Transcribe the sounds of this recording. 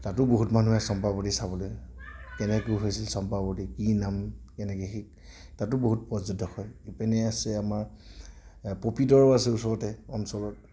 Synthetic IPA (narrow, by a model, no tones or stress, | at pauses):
tatʊboɦutmanuɛsɔmpabɔtisaβɔlojkɛnɛkujɦojsilsɔmpabɔtikinamkɛnɛkexik̚tatʊboɦutpɔzɔdɔxɔjipɛnɛasɛamaɹ | popidɔɹasɛusɔɹɔtɛɔmsɔlɔt̚